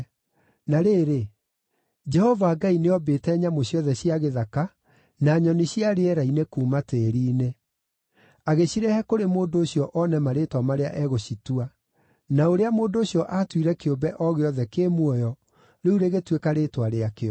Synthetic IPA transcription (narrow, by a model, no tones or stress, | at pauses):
naɾeːɾe | d͡ʒɛhɔvaːɡaineɔbeːtɛɲamoɕjɔðɛɕiaɣeðaka | naɲɔniɕiaɾeɛɾainekuːmateɾiːne | aɣeɕiɾɛhɛkoɾemoːndoːɕiɔʔɔnɛmaɾetwamaɾea̰ʔɛɣoɕitua | naoɾeamoːndooɕiɔʔatwiɾɛkeombɛʔɔɣeɔðɛkeːmwɔjɔ | ɾeuɾeɣetwekaɾetwaɾeakeɔ